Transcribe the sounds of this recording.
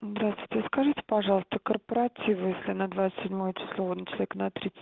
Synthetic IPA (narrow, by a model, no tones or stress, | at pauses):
zd̪ɾast̪vʊ̥jtʲɪskɐʐɨtʲɪ̥pɐʐɑlˠəst̪əkərpəɾɐtʲivjesʲlʲɪnəd̪vat̪sɨt̪ʲsʲɪdʲmojət͡ʃɪ̥slˠovodnət͡ɕɪlˠɐeknɐt̪ɾʲit̪sɨ̥